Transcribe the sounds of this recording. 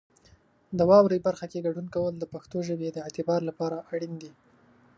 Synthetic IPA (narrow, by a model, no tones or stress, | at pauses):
d̪əwɑwɾebaɾxakeɡaɖunkawəld̪əpaxt̪oʒəbed̪əɪʕt̪ɪbɑɾlapɑɾaʔaɽind̪i